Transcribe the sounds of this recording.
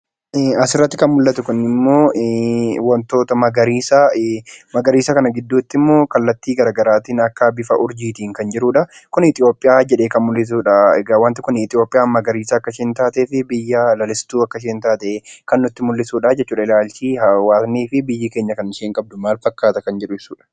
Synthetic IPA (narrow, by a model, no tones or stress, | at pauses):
ɐsɪrːɐt̪ːɪkɐnmʊlːɐt̪ʊkʊnːɪmːo̞ː | wɐnt̪o̞ːt̪ɐmɐɡɐɾiːsamɐɡɐɾiːsɐkɐnɐɡɪd̪ːuːt̪ːɪmːo̞ːkɐlːɐt̪ːiːɡɐɾaːɡɐɾaːt̪iːnɐkːɐbɪfɐʔʊɾd͡ʒiːt̪iːŋkɐnd͡ʒɪɾuːᶑɐkʊnɪt̪ʼɪjo̞ːpʼːɪjaːd͡ʒɛᶑe̞ːkɐnmʊlːɪs̬uːᶑɐɛɡawaːnt̪ɪkʊnɪt̪ʼɪjo̞ːpʼɪjaːmːɐɡɐɾiːsɐːkːɐʃeːnt̪aːt̪eːfɪbɪjːɐlɐlɪst̪uːɐkːɐʃ̬eːnt̪aːt̪ɛkɐnːʊt̪ːɪmʊlːɪsuːᶑɐd͡ʒɛt͡ʃːuːᶑɐɪlaːlt͡ʃiːhɐwaːsniːfɪbɪjːɪkeːɲːɐkɐnɪʃeːŋkʼɐb̚d̪ʊmaːlfɐkːaːt̪ɐkɐnd͡ʒɛᶑʊɪsuːᶑɐ̥